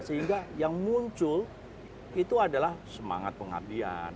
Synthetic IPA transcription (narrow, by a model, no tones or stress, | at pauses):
səɦiŋɡajaŋmuɲt͡ʃʊl | it̪uadalahsəma̰ŋat̪̚pəŋa̰rdia̰n